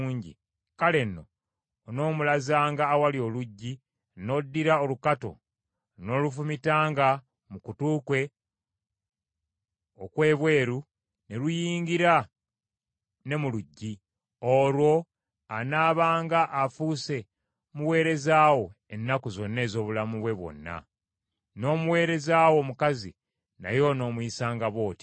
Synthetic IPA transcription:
ɲɟḭ | kale̞nːo̞̰ | no̞ːmulazaːŋɡaːwalio̞luɟːi | no̞dːiɾao̞lukato̞̰ | no̞lufumitaːŋɡa | mukutuːkwe̞ | okwe̞ːβwe̞ːɾu | ne̞lujiːɲɡiɾa | ne̞muluɟːi | olwo̞ | anaːβaːŋɡaʔːfuse̞ | muwe̞ːɾe̞zaːwo̞ | e̞nːakuzo̞nːe̞ːzo̞ːβulamuβwe̞βwo̞̰nːa̰ | no̞ːmuwe̞ːɾe̞zaːwo̞mukazḭ | na̰jo̞no̞ːmuisaːŋɡaβo̞ːti̥

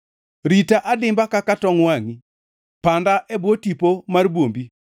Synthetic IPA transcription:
ɾitaʔadɪmbakakatɔŋwaŋi | pandaʔɛbwotipomarbwombi

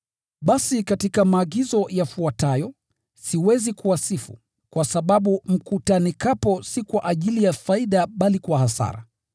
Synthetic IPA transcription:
ɓasikatikamaːɠizɔjafuatajɔ | siwɛzikuwasifṵ | kwasaɓaɓum̩kutanikapɔsikwaʔaʄilijafaiɗaɓalikwahasa̰ɾa̰

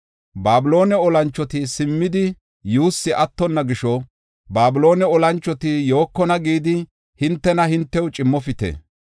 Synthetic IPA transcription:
baːbɪlo̞ːnɛɔlɐnt͡ʃːɔt̪ɪsɪmːɪd̪ɪ | juːsːɪʔɐt̪ːɔnːɐɡɪʃɔ | baːbɪlo̞ːnɛɔlɐnt͡ʃːɔt̪ɪjo̞ːkːɔnɐɡiːd̪ɪ | hɪnt̪ːɛnɐhɪnt̪ːɛwt͡ʃʼɪmːɔfɪt̪ɛ̰

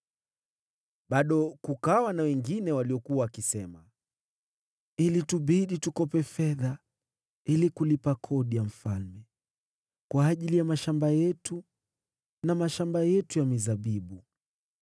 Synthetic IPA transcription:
ɓaɗɔkukawanawɛŋɡinɛwaliɔkuawakisɛma | ilituɓiɗitukɔpɛfɛða | ilikulipakʰɔɗijam̩falmɛ | kwaːʄilijamaʃambajɛtu | namaʃambajɛtujamizaɓiɓu

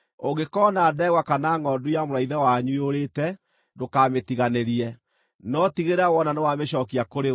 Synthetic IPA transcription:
oɡekɔnadɛɣwakanaŋɡɔdujamoɾaiðawaɲuoɾeːtɛ | dokametiɣaneɾiɛ | nɔtiɣeɾawɔnanewameʃɔkiakoɾe

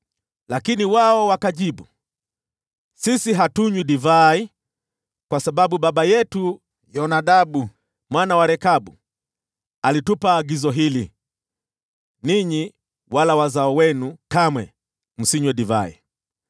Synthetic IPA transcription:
lakiniwaɔwakaʄiɓu | sisiɦatuɲwiɗivai | kwasaɓaɓuɓaɓajɛtu | jɔnaɗaɓu | mwanawaɾɛkaɓu | alitupaːɡizɔɦili | niɲi | walawazaɔwɛnukamwɛ | m̩siɲwɛɗiva̰ḭ

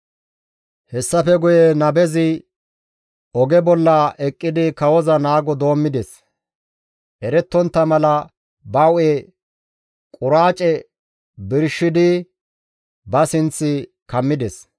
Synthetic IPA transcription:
hɛsːɐfɛɡʊjɛnɐbɛzɪ | ʔɔɡɛbɔlːɐʔɛkʼːɪd̪ɪkɐwɔzɐnaːɡɔd̪o̞ːmːɪd̪ɛs | ʔɛɾɛt̪ːɔnt̪ːɐmɐlɐ | bɐwe | kʼʊɾaːt͡ʃʼɛ | bɪɾʃːɪd̪ɪ | bɐsɪnt͡sːɪ | kɐmːɪd̪ɛs

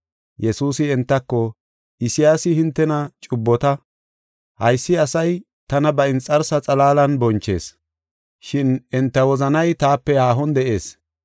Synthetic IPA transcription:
jɛsuːsɪɛnt̪ːɐkːɔ | ʔɪsɪjaːsɪhɪnt̪ːɛnɐt͡ʃʼʊbːɔt̪ɐ | hɐjsːɪɐsɐj | t̪ɐnɐbɐɪnt͡sʼɐɾsɐt͡sʼɐlaːlɐnbɔnt͡ʃːe̞̰ːs | ʃɪnɛnt̪ːɐwɔzɐnɐjt̪aːpːɛjaːɦɔnd̪ɛʔe̞ːs

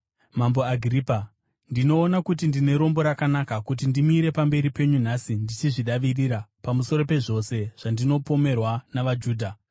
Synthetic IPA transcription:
mamboaɡʱripa | ndino̞ːnakut̬indine̞ɾo̞mbo̞ɾakanakakut̬indimuiɾe̞pambe̞ɾipe̞ɲun̤asindit͡ʃiʐiɗaʋiriɾapamuso̞ɾo̞pe̞ʐo̞se̞ʐ̥andino̞po̞me̞rwanaʋad͡ʒuːdʱa

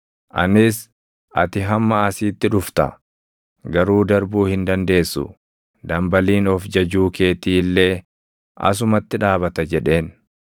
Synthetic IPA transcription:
ʔɐ̰nɪs | ʔɐt̪ɪɦɐmːɐɐsiːt̪ːɪᶑʊft̪ɐ̰ | ɡɐɾuːd̪ɐɾbuːhɪnd̪ɐnd̪e̞ːsːʊ̰ | d̪ɐmbɐliːnɔfd͡ʒɐd͡ʒuːke̞ːt̪iːlːe̞ː | ʔɐ̰s̬ʊmɐt̪ːɪᶑaːβɐt̪ɐd͡ʒɛᶑe̞ːn

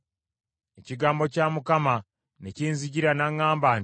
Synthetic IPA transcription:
eciɡaːmbo̞caːmukama | neciːnziɟiɾanaŋːaːmbaːn

